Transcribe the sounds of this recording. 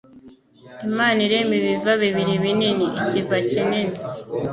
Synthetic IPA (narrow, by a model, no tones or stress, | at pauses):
imaːniɾemiβivaβiβiɾiβininiʔicivacinini